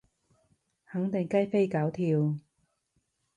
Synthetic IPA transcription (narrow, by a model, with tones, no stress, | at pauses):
hɐ˨˥ŋt̪ɪ˨˩ŋkɐ˥jfe˥jkaː˨˥wt̪ʰiː˧w